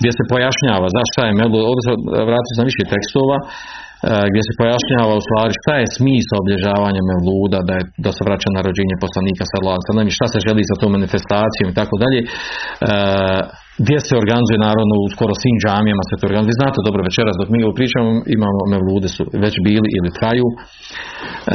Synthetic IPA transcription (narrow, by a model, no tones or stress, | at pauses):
ɡd̪ʲjese̞po̞jaʃɲaːʋaːzaʃt̪ajemelˠuːd̪oːd̪eseʋɾaːt̪i̥osenaʋiʃet̪e̞kst̪o̞ːʋaː | ɡd̪jese̞po̞jaʃɲaːʋaust̪ʋaːɾiʃt̪aje̞smiːsaobiʎe̞ʒaːʋaːɲame̞ʋlˠuːd̪ad̪ajed̪aseʋɾat͡ɕanaɾo̞d͡ʑeːɲepo̞slˠaniːkasalˠaːd̪msad̪namiʃt̪ase̞ʒe̞liːsat̪oːmːanifest̪aːt̪sijo̞ːmit̪akod̪aʎeː | ɡd̪ʲje̞seo̞ɾɡanizuje̞naːɾaʋno̞usko̞ɾo̞sʋiːmd͡ʒaːmijamasʋet̪ooɾɡanzʋiːznaːt̪e̞d̪o̞bɾo̞ʋe̞t͡ʃe̞ɾasd̪o̞kmiːoʋopɾiːt͡ʃaːmoimaːmo̞meʋlˠuːd̪e̞sṵʋe̞t͡ɕbiːliʔilit̪ɾajuː